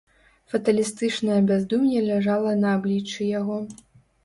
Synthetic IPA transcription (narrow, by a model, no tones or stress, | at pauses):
fɐt̪ɐlʲist̪ɨt͡ʂnɐjɐbʲazd̪umjʲɛlʲaʐalˠɐnɐːblʲit͡ʂɨjaɣɔ